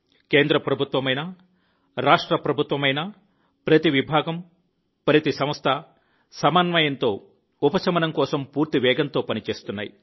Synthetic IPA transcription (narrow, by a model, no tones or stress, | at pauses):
keːnd̪ɾɐpɾɐbʱut̪ʋɐmɐjnɐ | ɾaːʂʈɾɐpɾɐbʱut̪ʋɐmɐjnɐ | pɾɐt̪iʋibʱaːɡɐm | pɾɐt̪isɐmst̪ʰɐ | sɐmaːnmɐjɐnt̪o̞ː | upɐt͡ʃɐmɐnɐmkɔːsɐmpuːɾt̪iʋɛːɡɐnt̪o̞ːpɐnit͡ʃe̞ːst̪unːaːji